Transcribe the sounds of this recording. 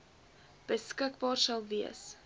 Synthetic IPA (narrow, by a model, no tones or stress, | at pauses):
b̥əskəkbɑːrsɐlˠviəs